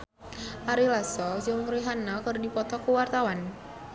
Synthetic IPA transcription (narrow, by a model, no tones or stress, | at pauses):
ʔaɾilasɔd͡ʒʊŋɾiɦanakərdipɔt̪ɔkuwart̪awan